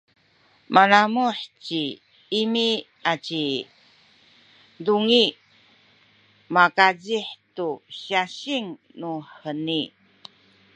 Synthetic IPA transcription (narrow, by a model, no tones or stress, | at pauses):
manamuħt͡ɕi | imi | at͡ɕi | duŋi | makad͡ʑiħtuɕaɕiŋ | nuħəni